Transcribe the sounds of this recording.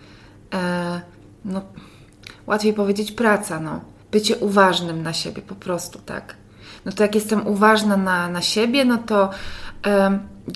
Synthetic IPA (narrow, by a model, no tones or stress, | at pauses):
nɔ | wʔat̪fʲjejpɔvʲjed͡ʑet͡ɕpɾat̪sanɔ̰ | b̥ɘt͡ɕɛʔuvaʐnɘmnaɕebʲjɛpɔpɾɔst̪u̥t̪a̰k | nɔt̪ɔjakjɛst̪ɛmʔuvaʐnananaɕebʲjɛnɔt̪ɔ